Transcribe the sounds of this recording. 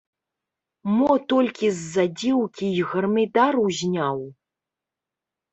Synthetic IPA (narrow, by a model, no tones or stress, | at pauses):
mɔt̪ɔlʲkʲizːad͡zʲiwkʲiːɣɐrmɨd̪aɾuzʲnʲaw